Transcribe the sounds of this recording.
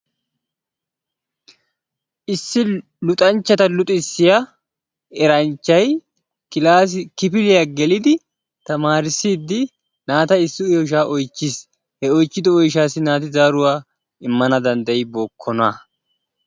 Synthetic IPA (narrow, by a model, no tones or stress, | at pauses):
ʔɪsːɪ | lʊt̪ʼɐnt͡ʃːɐt̪ɐlʊt̪ʼɪsːɪja | ɛɾɐnt͡ʃːɐj | akɪpɪlɪjaɡɛlɪd̪ɪ | t̪ɐmaːɾɪsiːd̪ːɪ | naːt̪ɐɪsːɪjɔʃ̬aːʔɔjt͡ʃːɪs | hɛɔjt͡ʃːɪd̪ɔɔjʃ̬aːsːɪnaːt̪ɪzaːɾʊwaː | ɪmːɐnɐd̪ɐnd̪ɐɪboːkʰːɔnaː